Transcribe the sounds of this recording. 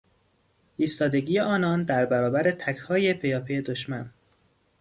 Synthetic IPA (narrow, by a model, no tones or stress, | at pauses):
ʔiːst̪ɒːd̪e̞ɡiːjeʔɒːnɒːnd̪æɾbæɾɒːbæɾe̞t̪ʰækʰhɒːje̞pʰe̞jɒːpʰe̞jed̪oʃmæn